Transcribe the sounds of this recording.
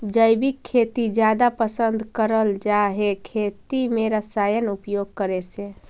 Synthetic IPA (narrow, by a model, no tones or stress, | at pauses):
d͡ʒəjbikʰːet̪id͡ʒjad̪apəsənd̪ʱkəɾəld͡ʒaɦekʰet̪imeɾəsajənupjoɡ̚kəɾesẽ